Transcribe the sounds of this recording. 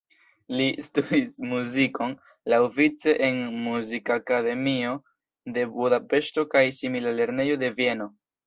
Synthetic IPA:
listudismuziko̞n | lawvit͡se̞ʔenmuzikakade̞mio̞ | de̞budape̞ʃto̞kajsimilale̞ɾne̞jo̞de̞vie̞no̞

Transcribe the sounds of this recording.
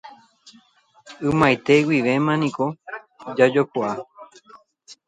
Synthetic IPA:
ɨmãjt̪e̞wiʋe̞mãnĩko̞ | d͡ʒad͡ʒokʷaa

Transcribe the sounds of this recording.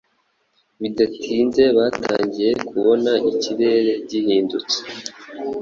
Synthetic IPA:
βidatʰiːnze̞βatʰa̰ːɲɟije̞kʰuβo̞naʔiciɾe̞ːɾe̞ɟihiːndut͡se̥

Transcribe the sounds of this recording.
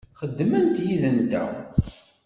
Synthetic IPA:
χəd̪ːmænt̪jiðənd̪æ̰

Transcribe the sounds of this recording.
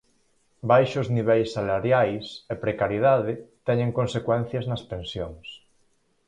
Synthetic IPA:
bajʃozniβ̞ɛjsːalaɾjajsepɾekaɾjið̞aðɪt̪ɛɲẽŋkõnsekwɛn̟θjɐznɐspensjoŋs

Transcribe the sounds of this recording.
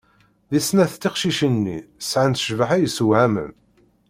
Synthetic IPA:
ðisnæθt̪ːiqʃiʃənːḭsʕənt̪ə̥ʃvəħæjəsəwʕæmə̰n

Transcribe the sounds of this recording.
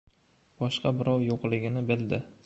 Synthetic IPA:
b̥ɒʃqɑbɪɾɒwjoqlˠɪɡʲɪnɪbɪld̪ɪ

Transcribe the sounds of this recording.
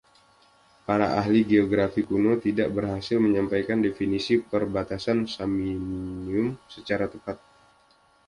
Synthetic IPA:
paɾaʔaɦliɡeoɡɾafikunot̪idaʔbərɦasɪlməɲampajkandefinisipərbat̪asansaminniʊmsət͡ʃaɾat̪əpat̪̚

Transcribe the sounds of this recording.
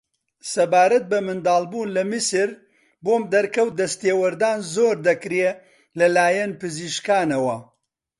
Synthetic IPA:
sɐbaːɾɐt̪̚bɐmɨnd̪aːlˠbuːnlɐmɨsɨɾ | boːmd̪ɐɾkɐwt̪̚d̪ɐst̪eːwɐɾd̪aːnzoːɾd̪ɐkɾe | lɐlaːjɐnpɨziːʃkaːnɐwɐ

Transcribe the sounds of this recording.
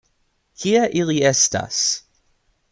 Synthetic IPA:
kʰiaʔiliɛsta̰s

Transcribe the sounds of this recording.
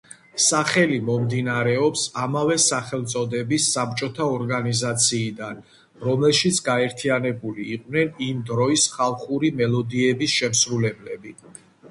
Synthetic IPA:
saχɛlimɔmd̪inaɾɛɔpsamavɛsaχɛlˠt̪sʼɔd̪ɛbisːap̚t͡ʃʼɔt̪ʰaɔɾɡanizat̪sʰiːd̪an | ɾɔmlɛlʃit̪sʰɡaɛɾt̪ʰianɛbuliːqʼvnɛnimd̪ɾɔisχalˠχuɾimɛlɔd̪iɛbisʃɛmsɾulɛblɛbi

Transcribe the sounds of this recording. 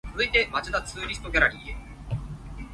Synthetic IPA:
ɯ̟it̪emat͡ɕɨd̪at͡sɨːɾʲisɨ̥t̪o̞ɡʲaɾaɾʲiːe

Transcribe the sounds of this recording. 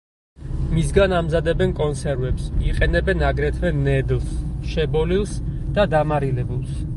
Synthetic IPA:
misɡanamzad̪ɛbɛnkʼɔnsɛɾvɛpsiqʼɛnɛbɛnaɡɾɛt̪ʰvɛnɛd̪lˠsʃɛbɔlilˠsd̪̥ad̪amaɾilɛbulˠs

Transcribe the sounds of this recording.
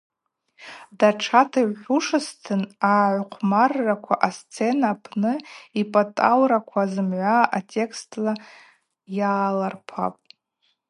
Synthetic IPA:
daʈ͡ʂʰatʰaiʕuʂɨstʰɨnaʕʷqʷʰmarːakʷʰaʔast͡sʰenapʰnɨipʼatʼalɾakʷʰazɨmʕʷaʔatʼe̞kʰstʼla | jaːlarpʰa̰pʼ

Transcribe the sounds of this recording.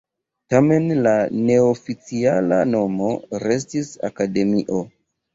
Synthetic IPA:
tame̞nlane̞ofit͡siala̰no̞mo̞ɾe̞s̬tisa̰kade̞miʔo̞

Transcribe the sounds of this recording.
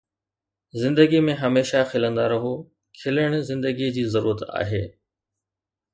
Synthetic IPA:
zɪ̃nd̪əɡimẽɦɐmeːʃaxɪlə̃nd̪aɾɐɦo | kʰɪləɽ̃zɪ̃nd̪əɡid͡ʑiːzɐɾuːɾət̪a̰ːɦeː

